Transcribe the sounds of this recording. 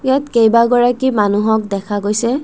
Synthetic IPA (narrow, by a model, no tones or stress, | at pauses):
jatkejbaɡɔɹakimanuɦɔk̚dɛkʰaɡojsɛ